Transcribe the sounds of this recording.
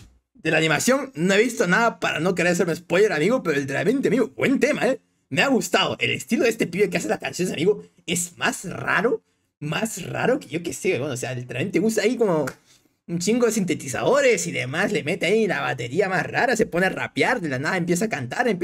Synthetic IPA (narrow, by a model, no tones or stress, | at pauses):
d̪e̞laːnimasjo̞ŋno̞e̞βist̪o̞naðapaɾa̰no̞k̬eɾeseɾmiespojle̞ɾamiɣope̞ɾoelt̪eɾame̞nt̪eamiɣoβwent̪e̞mae | meaɣust̪aðo̰ʔe̞̰le̞̰st̪iloðest̪epiekeaseslakansjonea̰miɣo | e̞zmasra̰ɾo | masra̰ɾo̞keʝo̞keseβwenoseaelt̪eɾament̪eɣust̪aːiko̞mo | unt͡ʃiŋɡoðesint̪e̞t̪is̬a̰ðo̞ɾe̞siðe̞̰masle̞me̞t̪eailaβa̰t̪e̞ɾiamasraɾase̞po̞nera̰pjaɾd̪elanaðaempjesakant̪aɾemp